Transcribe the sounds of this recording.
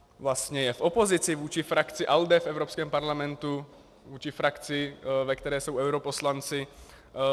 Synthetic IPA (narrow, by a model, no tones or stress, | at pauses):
vlast̪ɲɛjɛfʔopozɪt͡sɪvuːt͡ʃɪfɾakt͡sɪʔald̪ɛfɛvɾopskɛːmpaɾlamɛnt̪u | vuːt͡ʃɪfɾakt͡sɪvɛkt̪ɛɾɛːsowɛwɾoposlant͡sɪ